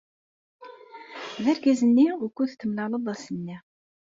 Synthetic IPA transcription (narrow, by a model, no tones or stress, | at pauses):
ðæɾɡæzənːiukuðt̪ːəmlɑləd̪ˤæsənːi